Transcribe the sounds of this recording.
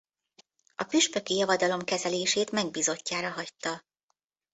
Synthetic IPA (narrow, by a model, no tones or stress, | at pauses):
ɒpyʃpø̞kijɒvɒd̪ɒlo̞mkɛzɛleːʃeːt̪mɛɡ̚biːzo̞cːaːɾɒɦɒct̪ːɒ